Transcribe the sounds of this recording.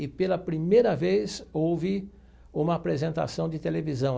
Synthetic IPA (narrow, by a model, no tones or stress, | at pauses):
ɪpelɐpɾimejɾɐvesowvɪ | ũmɐaːpɾezẽnt̪a̰sɐ̃w̃d͡ʒɪt̪elevizɐ̃w̃